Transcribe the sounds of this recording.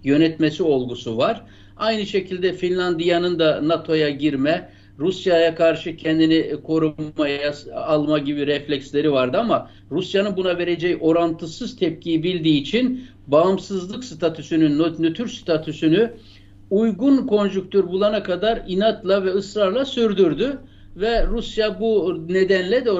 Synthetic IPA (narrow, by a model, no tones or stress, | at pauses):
jø̞nɛt̪mesio̞lˠɡusuvaɾ̥ | ajnɯʃe̞cʰilʲd̪ɛfinʲlʲand̪ijanɯnd̪anat̪ʰo̞jaɟiɾmɛ | ɾusjajakʰaɾʃɯcʰɛnd̪inikʰo̞ɾuːajaːlˠmaɟibiɾɛflʲɛcslʲe̞ɾivaɾd̪ɯama | ɾusjanɯnbunave̞ɾed͡ʒɛjo̞ɾant̪ʰɯsɯz̥t̪ʰɛp̚cʰijibilʲd̪iːt͡ʃʰin | baːmsɯzlˠɯksɯt̪ʰat̪ʰysynynːnøt̪ʰyɾst̪ʰat̪ʰysyny | ujɡunkʰo̞nd͡ʒyk̚t̪ʰøɾbulˠanakʰad̪aɾinat̪lˠavɛɯsɾaɾlˠasyɾd̪yɾd̪y | vɛɾusjabune̞d̪ænlʲɛd̪ɛ